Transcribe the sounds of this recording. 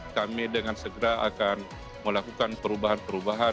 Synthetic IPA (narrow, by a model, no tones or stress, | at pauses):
kamidəŋansəɡəɾaakan | məlakukanpəɾubaɦanpəɾubaɦa